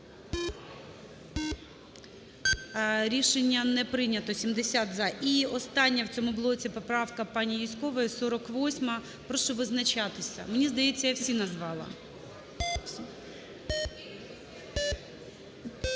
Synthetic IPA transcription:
ɾʲiʃenʲːɐnɛpɾɪnʲɐt̪ɔsʲimd̪esʲat̪zɑʔiɔst̪ɑnʲːɐwt͡sʲɔmʊbʊlˠɔt͡sʲipɔpɾɑwkɐpɑnʲijʲisʲkɔʋɔjɛsɔɾɔkʋɔsʲmɐ | pɾɔʃɔʋɪznɐt͡ʃɑt̪ɪsʲɐ̰menʲizd̪ɐjet͡sʲːɐjawsʲinɐzʋɑlˠɐ̰

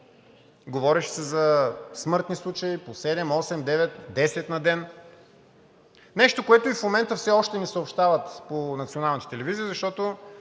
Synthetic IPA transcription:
ɡovɔɾɛʃɛ̥sɛzɐsmɤɾt̪nislˠut͡ʃɐiposɛd̪ɛmɔsɛmd̪ɛvɛt̪d̪ɛsɛt̪nɐd̪ɛn | nɛʃt̪okoɛt̪oifmomɛnt̪əfsɛɔʃt̪ɛnisəopʃt̪avət̪ponɐt̪sionalˠnt̪ə̥t̪ɛlɛviziəzɐʃt̪ɔt̪o

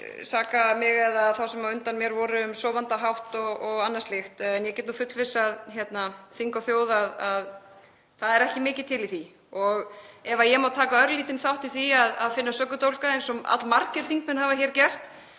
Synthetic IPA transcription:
saːkamɪɣɛðaðθawsɛmaʏnt̪anmjɛɾvɔɾʏʏmsɔvant̪aɦawht̪ɔɣɔɣanːast̪lɪxt̪ɛnjɛcɛːt̪nufʏt̪lvɪsːaðçjɛt̪naθiŋkawθjoːwðaðað | θaðɛɾɛhcɪmɪːcɪðt̪ʰːɪliθi | ɔɣɛvajɛmawt̪ʰːaːkaœɾliːt̪ɪnθawht̪iθiaðaðfɪnːasœkːʏt̪owlkaejnsɔa̰t̪lmaɾcɪɾ̥θiŋkmɛnhavaçɛːɾcɛr̥t̪

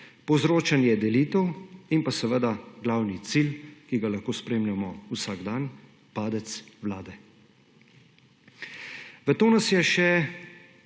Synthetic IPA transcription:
pɔwzɾoːt͡ʃanjɛd̪ɛliːt̪əwimpasɛʋəd̪aɡlaːwnit̪silkiɡalaxkoːspɾeːmlamɔusaːɡd̪an | paːd̪ɛt̪swlaːd̪ɛ | ʋət̪oːnasjɛʃɛ

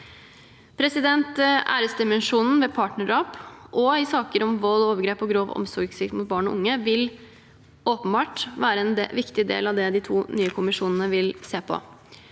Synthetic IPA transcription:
pʰɾɛsɪd̪ɛnt̪æ̰ːɾəsd̪ɪmɛnʂuːnn̩ʋɛpʰɑːʈɳəɖɑːpʔɔɪsɑːkəɾɔmʋɔlːoːʋəɾɡɾeːpɔɡɾoːʋɔ̰msɔɾɡsɪkt̪mʊt̪̚bɑːɳɔ̰ʔʊŋːəʋɪl | ʔoːpənbɑːʈʋæːɾəɛnʋɪkt̪ɪd̪ḛːlɑʋd̪ɛd̪ɪt̪ʰuːnyːəkʰʊmɪʂuːnən̩əʋɪlseːpʰɔ̰

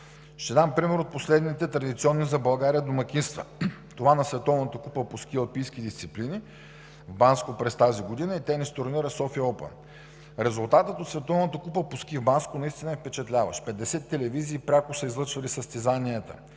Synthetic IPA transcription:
ʃt̪ɛd̪ampɾimɛɾot̪̚poslɛd̪nit̪ɛt̪ɾɐd̪it̪siɔnːizɐbɐlˠɡaɾijəd̪omɐkʲinst̪və̰t̪ovanɐsvɛt̪ɔvnət̪əkupəposkiəlˠpijskid̪ist̪siplini | vbanskopɾɛst̪aziɡod̪inəit̪ɛnist̪oɾniɾəsɔfiəɔpə̰n | ɾɛzulˠt̪at̪ət̪ot̪svɛt̪ɔvnət̪əkupəposkivbanskʊnɐist̪inəɛfpɛt͡ʃɛt̪lʲavə̰ʃpɛd̪ɛsɛt̪ːɛlɛviziːpɾʲakʊsəizlˠɤt͡ʃvɐlisəst̪ɛzaniət̪ə̰

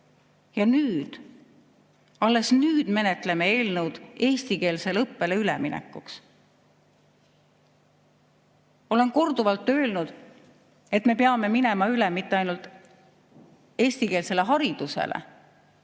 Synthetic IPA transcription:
jɑnyːd̪̥ | ɑlːe̞snyːd̪̥me̞net̪ˑle̞meeːlnəwd̪̥e̞ːst̪ike̞ːlselɤpːe̞le̞yleminḛkːˑuks | o̞le̞nko̞rd̪̥uvɑlt̪ːˑø̞ːlnud̪̥ | e̞t̪me̞peɑme̞mine̞mɑylemit̪ːeɑjnult̪ˑ | e̞ːst̪ike̞ːlse̞le̞ɦɑɾid̪̥usḛlʔḛ

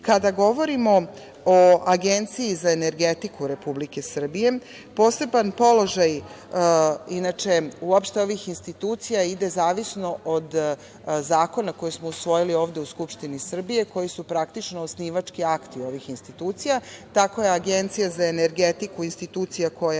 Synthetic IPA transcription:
kad̪aɡo̞ʋo̞ɾimo̞ | oaɡent̪sijːzaene̞ɾɡet̪ikuɾe̞publike̞sr̩bije̞ | po̞ːse̞banpo̞lo̞ʒaj | inat͡ʂe̞uopʃt̪e̞o̞ʋixinst̪it̪uːt̪sijaid̪e̞zaːʋisno̞ʔod̪ | zaːko̞nako̞jesmo̞usʋo̞jilioːʋd̪euskupʂt̪inisr̩bije̞ko̞jisupɾakt̪it͡ʃnoːsniːʋat͡ʂkiakt̪io̞ʋixinst̪it̪uːt̪sijat̪ako̞jeaɡe̞nt̪sijazae̞ne̞ɾɡet̪ikuinst̪it̪uːt̪sijako̞ja

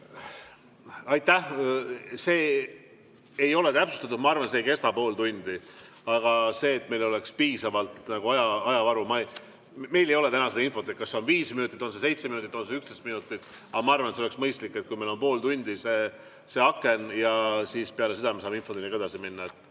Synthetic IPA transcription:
ɑjt̪ːˑæh | se̞ː | ejo̞le̞t̪æpsust̪ɑt̪ud̪mɑɑrvɑnseːjke̞st̪ɑpo̞ːlt̪unʲd̪i | ɑɡ̥ɑse̞ːt̪me̞jlo̞le̞kspiːsɑvɑlt̪nɑɡ̥uɑjɑɑjɑvɑɾumɑj | me̞jlejo̞le̞t̪ænɑseɑinfo̞t̪ːˑet̪̚kɑsːeonviːsminut̪ːˑit̪ːˑo̞nsese̞jt̪seinut̪it̪ːˑo̞nseykst̪est̪minut̪ˑːit̪ːˑ | ɑmɑɑrvɑneseoeksmɤjst̪likːe̞t̪̚kujmelo̞npo̞ːlt̪unʲd̪̥iseː | se̞ɑkːe̞njɑsiːspeɑle̞seɑmesɑːminfo̞d̪unːikeɑsiminːɑet̪ːˑ

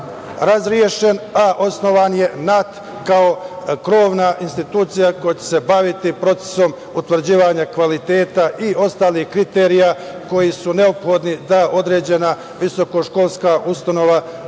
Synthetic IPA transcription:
ɾazɾje̞ʃe̞naʔo̞sno̞ʋanje̞nat̪ | kao̞kɾo̞ːʋnaʔinst̪it̪uːt̪sijako̞jat͡ɕe̥sebaʋit̪ipɾo̞t̪se̥so̞m | ut̪ʋr̩d͡ʑiːʋaɲakʋalit̪e̞ːt̪aʔio̞st̪aːlihkɾit̪eɾija | ko̞jisune̞o̞pxo̞d̪nid̪aʔo̞d̪ɾe̞ːd͡ʑe̞na | ʋiso̞ko̞ʃko̞ːlˠskaʔust̪ano̞ʋa

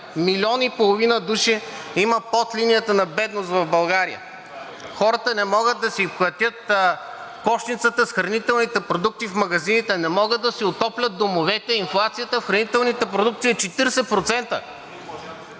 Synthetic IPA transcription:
milʲɔnipolˠovinəd̪uʃiiməpɔt̪linijət̪ənɐbɛd̪nost̪vɐvbɐlˠɡaɾijə̰ | xɔɾət̪ənɛmɔɡəd̪̚d̪ɐsixlˠɐt̪ʲjət̪ | kɔʃt̪nit̪sət̪əsxɾɐnit̪ɛlˠnit̪ɛpɾod̪uk̚t̪ifmɐɡɐzinit̪ɛnɛmɔɡəd̪̚d̪ɐsiot̪ɔplʲɐt̪̚d̪omovɛt̪ɛinflˠat̪sijət̪əfxɾɐnit̪ɛlˠnit̪ɛpɾod̪uk̚t̪siːt͡ʃɛt̪iɾɛsɛpɾot̪sɛnt̪ə̰

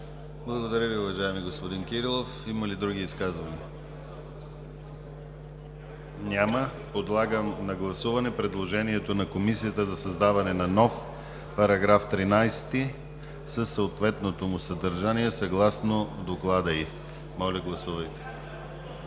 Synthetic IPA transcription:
blˠɐɡod̪ɐɾʲəviʊvɐʒaɛmiɡospod̪inkʲiɾilˠofiməlid̪ɾuɡiːskazvɐnḭə | nʲamə | pod̪lˠaɡəmnɐɡlˠɐsuvɐnɛpɾɛd̪lˠoʒɛniɛt̪onɐkomisijət̪əzɐsɐzd̪avɐnɛnɐnɔf | pɐɾɐɡɾaft̪ɾinajst̪i | səsːɐot̪vɛt̪not̪omʊsɐd̪ɐɾʒaniɛsɐɡlˠasnod̪oklˠad̪əi | mɔlʲəɡlˠɐsuvɐjt̪ɛ̥

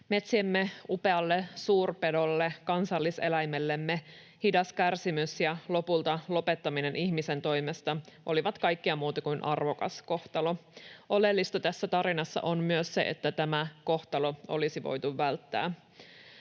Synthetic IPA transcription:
me̞t̪siemːeupe̞ɑlːesuːrpe̞do̞lːekɑnsɑlːise̞̰læjmelːemːe | hidɑskærsimysjɑlo̞pult̪ɑlo̞pe̞t̪ːɑmine̞nʔiçmise̞nt̪o̞jmest̪ɑʔo̞liʋɑt̪kɑjkːiɑmuːt̪ɑkuinʔɑrʋo̞kɑ̰sko̞ht̪ɑlo̞ʔo̞le̞lːist̪ot̪æsːæt̪ɑɾinɑsːɑ̰ʔonmyøsse̞̰ʔḛt̪ːæt̪æmæko̞ht̪ɑlo̞o̞̰lisiʋo̞̰jt̪uʋːælt̪ːæ̰ː

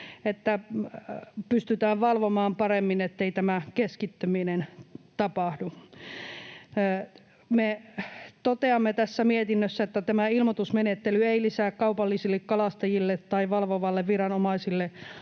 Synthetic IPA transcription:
et̪ːæ | pyst̪yt̪æːʋʋɑlʋomɑːmpɑremːinet̪ːeit̪æmækeskit̪ːøminent̪ɑpɑhdu | me | t̪ot̪eɑmːet̪æsːæmiet̪inːøsːæet̪ːæt̪æmæilmot̪usmenet̪ːelyeilisæːkkɑupɑlːisilːekkɑlɑst̪ɑjilːet̪tɑiʋɑlʋoʋɑlːeʋʋirɑnomɑisilːe

